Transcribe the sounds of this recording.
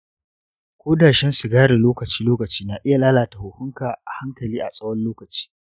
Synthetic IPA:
kʷoː˦daː˨ʃɛ˦nsu˨ɡaː˦ɽe˨loː˦kɐ˨t͡ʃiː˦loː˦kɐ˨t͡ʃiː˦naː˨ʔɪ˦ja˨laː˦laː˨ta˨hʊ˨hʊ˦ŋkaː˨ʔa˨ha˦ŋkɐ˨liː˦ʔa̰˨sʼɐ˦wɐ˦nloː˦kɐ˨t͡ʃi̥ː˦

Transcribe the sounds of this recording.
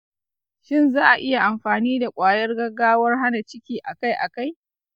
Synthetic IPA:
ʃɪ˦nzaː˦ʔa˨ʔɪ˦ja˨ʔa˨mɸaː˨niː˦da˨kʷʼaː˨jɐ˦rɡɐ˦ɡaː˦wɐ˦rɦa˦na˨t͡ʃɪ˦kʲiː˦ʔa˨ka˦jʔa˨ka˦j

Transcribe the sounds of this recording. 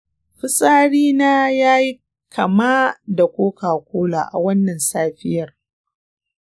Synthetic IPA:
ɸɪ˦sʼaː˦ɽiː˦naː˦jaː˦ji˦ | kʰɐ˨maː˦da˨kʷoː˦kaː˨kʷoː˦la̰ː˨ʔa̰˨wɐ˦nːɐ˨nsaː˦ɸɪ˦jɐ˨r

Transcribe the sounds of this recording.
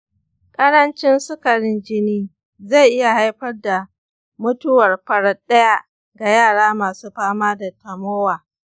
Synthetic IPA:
kʼɐ˦ɽɐ˦nt͡ʃɪ˦nsʊ˦kɐ˨ɽɪ˦nd͡ʒɪ˦niː˦ | za˦˨jʔɪ˦ja˨ha˦jɸɐ˦rda˨ | mʊ˦tʊ˦wɐ˨rɸɐ˨ɽɐ˦ɗɐ˦ja˦ʔ | ɡa˨jaː˦˨ɽaː˦maː˨suː˦ɸaː˦maː˦da˨tɐ˨moː˦waː˨

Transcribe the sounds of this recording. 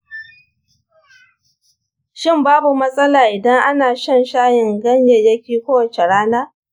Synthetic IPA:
ʃɪ˦˨mbaː˦bu˨mɐ˦sʼɐ˦laː˨ʔɪ˨dɐ˦ŋʔa˦naː˨ʃɐ˦˨nʃaː˦jɪ˨ŋɡɐ˦ɲje˨jɐ˦kʲiː˦kʷoː˦wɐ˨t͡ʃe˨ɽaː˦naː˦

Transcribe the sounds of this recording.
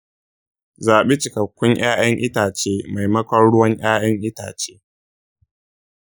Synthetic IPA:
zaː˨ɓeː˦t͡ʃɪ˨kɐ˨kʷːʊ˦ŋj̰aː˦j̰ɐ˦ŋʔɪ˦taː˨t͡ʃeː˦ma˨jmɐ˦kʷɐ˦nɽʊ˦wɐ˦ɲj̰aː˦jɐ˦ŋʔɪ˦ta̰ː˨t͡ʃeː˦

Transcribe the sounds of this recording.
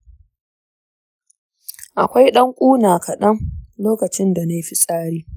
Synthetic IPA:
ʔa˨kʷa˦jɗɐ˦ŋkʷʼuː˦naː˨kʰɐ˨ɗɐ˦ŋloː˦kɐ˨t͡ʃɪ˦nda˨na˦jɸi˦sʼaː˦ɽiː˦

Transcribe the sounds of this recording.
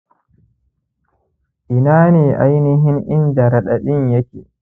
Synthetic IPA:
ʔi˨naː˦ni˨ʔa̰˨jni˦ɦi˦nʔi˦nda˨ɾa˨ɗa˨ɗi˦nje˦ki

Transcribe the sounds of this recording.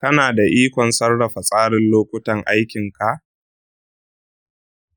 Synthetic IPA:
tɐ˦naː˨da˨ʔiː˦kʷɔ˨nsɐ˦rɽɐ˨ɸa˨sʼaː˦ɽɪ˦nloː˦kʷʊ˦tɐ˨ŋʔa˦jkʲɪ˨ŋka˨ʔ

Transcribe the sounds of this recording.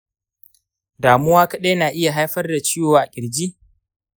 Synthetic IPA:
daː˨mʊ˦waː˦kɐ˦ɗe˦naː˨ʔɪ˦ja˨ɦa˦jɸɐ˦rda˨t͡ʃɪː˦joː˨ʔa˨kʲʼɪ˨ɽd͡ʒiː˦

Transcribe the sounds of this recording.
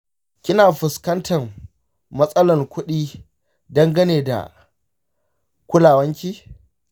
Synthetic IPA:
kʲɪ˦naː˨ɸʊ˨skɐ˦ntʰɐ˨m | mɐ˦sʼɐ˦lɐ˨rkʷʊ˦ɗiː˦ | dɐ˦ŋɡɐ˦neː˨da̰˨ | kʷʊ˦laː˨wɐ˦ŋkʲiː˦

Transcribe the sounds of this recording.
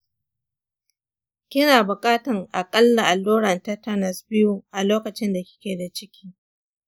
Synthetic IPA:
kʲɪ˦naː˨bʊ˨kʼaː˦tɐ˨ŋʔa˨kʼɐ˦lːa˨ʔa˨lːoː˦ɽɐ˨nta˦tɐ˦nɐ˨sbɪ˦ju˦ʔa˨loː˦kɐ˨t͡ʃɪ˦nda˨kʲɪ̥˦kʲeː˨da˨t͡ʃɪ˦kʲʰiː˦

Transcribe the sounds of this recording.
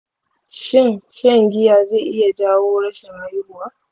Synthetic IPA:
ʃɪ˦˨nʃɐ˦ŋɡʲɪ˦jaː˨ze˦˨ʔɪ˦ja˨daː˦woː˦ɽɐ˦ʃɪ˨ŋha˦jʊ˦hʊ˦waː˦

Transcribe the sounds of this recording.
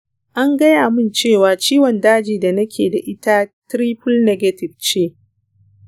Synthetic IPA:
ʔa˦ŋɡɐ˦jaː˨mɪ˦˨nt͡ʃeː˦˨waː˨t͡ʃiː˦wɔ˨ndaː˦d͡ʒiː˨da˨nɐ˦kʲʰḛː˨da˨ʔɪ˦ta˦tɾiː˦ɸʊ˦lnɛ˦ɡɐ˦tɪ˨bt͡ʃeː˦

